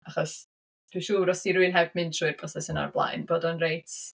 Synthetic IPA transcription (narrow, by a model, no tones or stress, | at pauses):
aχɔs | d̥wiʃuːɾɔsiɾuɨnɦɛbmɪntʰruːɨrpʰrɔsɛsəna̰rblˠa̰jnboːdɔnrejtʰ